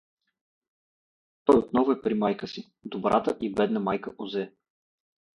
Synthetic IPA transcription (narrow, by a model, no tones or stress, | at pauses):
t̪ɔjot̪nɔvʊɛpɾimajkəsi | d̪obɾa̰t̪əʔibɛd̪nəmajkəʔozɛ